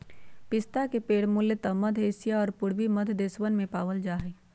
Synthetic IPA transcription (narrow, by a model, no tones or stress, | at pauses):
pɪst̪akepeːɽmʊljət̪ɐmɐd̪ʱɦesijaɔːɾpʊɽbiməd̪ʱd̪eːswənmẽpaːʋəld͡ʒaːɦeː